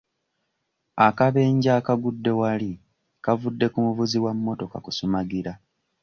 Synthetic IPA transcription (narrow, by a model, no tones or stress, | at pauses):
akaβe̞ːɲɟaːkaɡudːe̞wali | kavudːe̞kumuvuziwamːo̞to̞ka̰kusumaɡiɾa